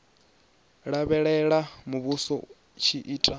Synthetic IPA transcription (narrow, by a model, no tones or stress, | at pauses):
ɺaβɛɺɛɺamuβusɔ̰ | t͡ʃʰiʔiːtʼa